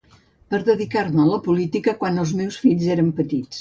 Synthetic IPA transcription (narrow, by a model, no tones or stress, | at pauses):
pəɾðəðikaɾmələpulit̪ikəkwanəlˠzmewsfiʎzeɾəmpət̪it͡s